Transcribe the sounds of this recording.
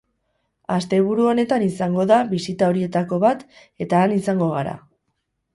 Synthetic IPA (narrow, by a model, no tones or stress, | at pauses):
ast̪e̞βuɾuo̞ne̞t̪anisaŋɡo̞ðaβisit̪ao̞ɾie̞t̪ako̞βat̪ | e̞t̪aːnisaŋɡo̞ɣaɾa̰